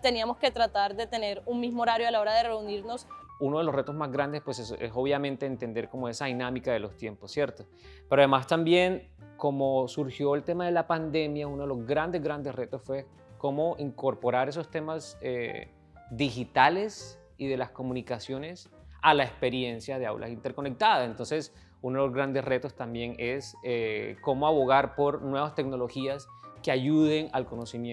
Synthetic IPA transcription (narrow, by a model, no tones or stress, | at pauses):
t̪e̞niamo̞ske̞t̪ɾat̪aɾd̪e̞t̪e̞ne̞ɾuŋmizmooɾaɾjoalao̞ɾaðere̞uniɾno̞suno̞ð̞elo̞sre̞t̪o̞zmazɡɾand̪espwe̞sesḛso̞βjamẽnt̪e̞ːnt̪e̞nd̪e̞ɾko̞mo̞e̞saðinamikaðe̞lo̞st̪je̞mpo̞sːje̞ɾt̪o | peɾoaðemast̪ambje̞n | ko̞mosuɾxjo̞elt̪e̞maðe̞lapand̪e̞mjauno̞ðelozɡɾand̪e̞zɣɡɾand̪esre̞t̪o̞sfwe̞ | ko̞mo̞ʔiŋko̞ɾpo̞ɾaɾe̞s̬o̞st̪e̞masḛ | d̪ixit̪ale̞s | iðe̞lasko̞mũnikasjo̞ne̞s | alaespe̞ɾje̞nsjaðe̞a̰wlʔa̰sint̪e̞ɾko̞ne̞k̚t̪aðasent̪o̞nses | unoðelozɣɾand̪esre̞t̪o̞st̪ambje̞ŋeseko̞moaβo̞ɣ̞aɾpo̞ɾnweβast̪e̞ɡno̞lo̞xiaskeaʝuðe̞ŋalko̞no̞simje